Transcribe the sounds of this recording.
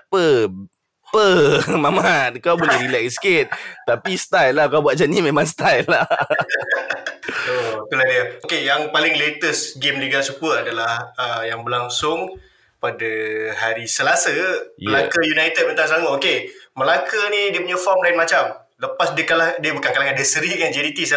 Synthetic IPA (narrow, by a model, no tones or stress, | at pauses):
pə | pəmamat̪̚kawbolɛhɾilɛkskɪt̪̚t̪apist̪ajlːakawbuwat̚d͡ʒanimemãŋst̪ajlːa | ot̪uladiəokejaŋpalɪŋlet̪əsɡemliɡasupəadalahəjaŋbəlaŋsʊŋ | padəhaɾisəlasəjəlakəjunajt̪əd̚pənt̪aŋs̬aŋʊt̪okeməlakənĩdiəpuɲafɔmlaɪnmat͡ʃam | ləpasdiəkalahdiəbukankalaŋadəsəɾikand͡ʒɛnit̪is